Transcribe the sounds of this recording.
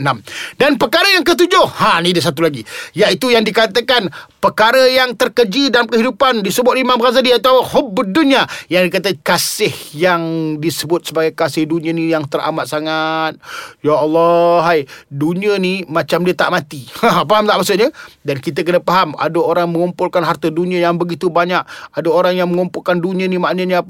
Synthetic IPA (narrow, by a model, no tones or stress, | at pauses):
namdanpəkaɾəjaŋk̬ət̪̬ud͡ʒʊhhanidəs̬at̪̬ulaɡijaʔit̪ujaŋdikat̪əkanpəkaɾəjaŋt̪ərkəd͡ʒidalamkəɦidupandisəbʊt̪̚imambəɾazadiat̪awəhobːəduniajaŋdikat̪̬əkasɪhjaŋdisəbʊt̪̚səbaɡajkasɪhduniənijaŋt̪əɾʔa̰mat̪̚saŋat̪̚jaːlːɔɦajduniənimãt͡ʃamdiət̪a̰ʔmãt̪ihaɦpaɦamt̪aʔmasʊʔ̚ɲədankit̪̬ək̬ənəpaɦama̰dəoɾaŋmə̃ŋumpʊlkanɦart̪əduniə̃jaŋbəɡit̪ubaɲak̚adəoɾaŋjaŋməŋumpʊlkanduniə̃nimaʔnəɲəap